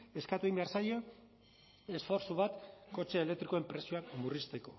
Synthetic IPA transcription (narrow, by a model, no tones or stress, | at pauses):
e̞skat̪uimbeaɾsajo̞ | e̞sfo̞ɾsuβat̪ko̞t͡ʃe̞ːlekt̪ɾikoe̞mpɾe̞sio̞akmurist̪e̞ko̞